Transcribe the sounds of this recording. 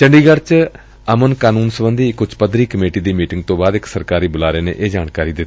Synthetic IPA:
t͡ʃəɳɖiːɡəɽt͡ʃ | əmənkaːnuːnsəbənd̪iːɪkːʊt͡ʃpəd̪ɾiːkəmeːʈiːd̪iːmiːʈɪŋɡ̚t̪õːbaːd̪ɪksəɾkaːɾiːbʊlaːɾeːnḛːʔeːd͡ʒaːɳkaːɾiːd̪ɪt̪ː

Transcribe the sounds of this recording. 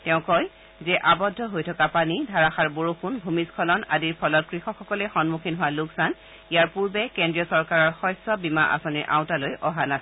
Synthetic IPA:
tɛʊ̃kɔj | zɛʔabɔdʱːɔɦojtʰɔkapanidʱaɹaxaɹboɹopʰunbʱumiskʰɔlɔna̰diɹpʰɔlɔt̚kɹixɔkxɔkɔlɛxɔnmukʰinɦʊwaluksan | ijaɹpuɹbɛkɛndɹiɔsɔɹkaɹɔɹxɔjsɔbima̰ʔa̰sɔniɹʔã̰w̃talojʔɔɦanasɛ

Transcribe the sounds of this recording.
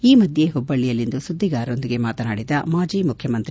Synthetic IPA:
iːmɐd̪ʱje̞ɦubːɐɭːijɐlːind̪usud̪ːiɡaːɾo̞nd̪iɡe̞maːt̪ɐnaːɽid̪ɐmaːd͡ʒiːmukʰjɐmɐnt̪ɾ

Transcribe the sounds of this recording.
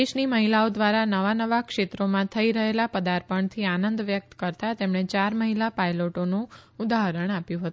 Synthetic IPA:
eʃniməɦilaod̪ʋaɾanəʋanəʋakʃet̪ɾomãt̪ʰəiɾəɦelapəd̪aɾpəɳt̪ʰianənd̪ʋjək̚t̪kəɾt̪at̪emɳet͡ʃaɾməɦilapajloʈonũud̪aɦəɾəɳapjũɦət̪u

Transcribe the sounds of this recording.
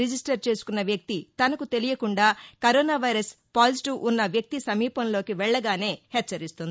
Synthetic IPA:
id͡ʒisʈɐɾt͡ʃe̞ːsu̥kunːɐʋjɐk̚t̪it̪ɐnɐkut̪e̞lijɐkuɳɖaːkɐɾoːnaːʋɐjɾɐs | paːliʈiʋʔunːɐʋjɐk̚t̪isɐmiːpɐmlo̞ːkiʋɛɭːɐɡaːne̞ːhɛt͡ʃːɐɾist̪und̪ii

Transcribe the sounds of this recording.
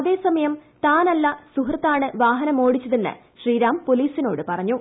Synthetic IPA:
ɐðe̞ːsɐmɐjɐmt̪aːnɐlːɐsuɦrɐt̪ːaːɳɨʋaːɦɐnɐmo̞ːɽit͡ɕːɐðenːɨ̰ | ɕriːɾaːmpo̞liːsino̞ːɽɨpɐrɐɲːu

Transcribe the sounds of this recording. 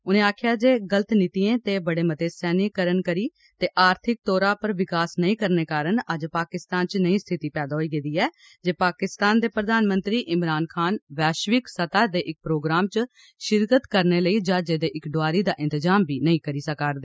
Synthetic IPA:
ʊnẽːaːkʰjaːd͡ʒeːɡələt̪nɪt̪iẽːt̪eːbəɽeːmət̪eːsɛːnɪkəɾənkəɾiː | t̪eːʔaːɾt̪ʰɪk̚t̪ɔːɾaːpəɾʋɪkaːsnəĩːkəɾneːkaːɾəɳəd͡ʒpaːkɪst̪aːnt͡ʃnəĩːst̪ʰɪt̪iːpɛːd̪aːɦoiːɡed̪iːɛː | d͡ʒeːpaːkɪst̪aːnd̪eːpɾəd̪aːnmə̃nt̪ɾiːʔɪmɾaːnkʰaːnʋɛːʃʋɪksət̪aːd̪eːʔɪk̚pɾoːɡɾaːmt͡ʃ | ʃɪɾkət̪kəɾneːləiːd͡ʒaːd͡ʒeːd̪eːʔɪkɖoaːɾiːd̪aːʔɪ̃nt̪əzaːmbʱiːnəĩːkəɾiːsəkaːɾd̪eː

